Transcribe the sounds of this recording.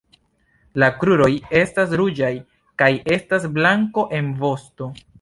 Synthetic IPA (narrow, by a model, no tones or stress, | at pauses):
lakɾuɾo̞je̞stas̬ɾud͡ʒaj | kaje̞stasblaŋko̞ʔe̞nvo̞sto̞